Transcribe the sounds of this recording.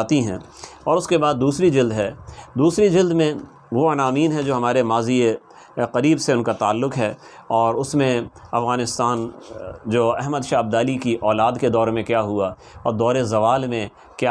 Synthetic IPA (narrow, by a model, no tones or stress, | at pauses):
at̪iɦɛ̰̃ː | ɔːɾʊskebaːd̪̚ːuːsɾid͡ʒɪld̪ɦɛːd̪uːsɾid͡ʒɪld̪mẽ | ʋoɐnaːmiːnɦɛd͡ʒoːɦɐmaːɾemaːzie | qɐɾiːbseʊnkat̪a̰ːlːʊqɦɛː | ɔːɾʊsmẽɐfɣaːnɪst̪aːnd͡ʒoːɛɦməd̪ʃaːɐb̚d̪aːlikiʔɔːlaːd̪ked̪ɔːɾmẽkjaːɦua | ɔːɾd̪ɔːɾezɐʋaːlmẽ | kja